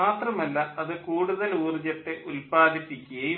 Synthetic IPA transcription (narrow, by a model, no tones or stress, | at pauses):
aːt̪rɐmɐlːɐɐðɨkuːɽuðɐluːrid͡ʑɐʈ̪ːeʔulpaːd̪ʱipːikʲːuɣɐj